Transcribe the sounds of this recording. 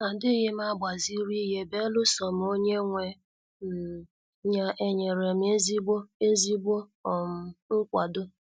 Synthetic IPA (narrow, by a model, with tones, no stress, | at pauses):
a˨dɪ˦ɦɪ˦m̩˦a˦ba˨zi˦ɾi˦ɦe˦˨be˦lʊ˦sɔ˨m̩˨o˦ɲe˦ŋʷe˨ | n̩˨ | ɲa˦ʔe˦ɲe˨ɾe˨m˦e˦zi˦bo˦e˦zi˦bo˦ɔ˨m̩˦n̩˦kʷa˨dʊ˦